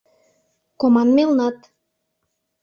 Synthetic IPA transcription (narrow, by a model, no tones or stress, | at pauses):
komɑnmelnɑt̪